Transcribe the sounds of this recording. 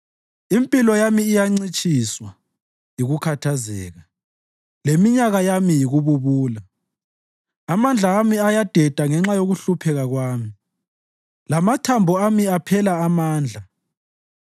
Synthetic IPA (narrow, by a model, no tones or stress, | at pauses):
impʼilɔjamiːjaŋ͡ǀit͡ʃʼiswa | jiɣukʰatʰazɛ̰ːɣa | lemiɲaɣajamijiɣuβuβuːla | amand͡ɮʱaːmiajad̥ʱɛd̥ʱaŋɛŋ͡ǁajoɣuɬupʰɛɣaɣwaːmi | lamatʰambʱɔamiapʰɛlaːmaːnd͡ɮʱa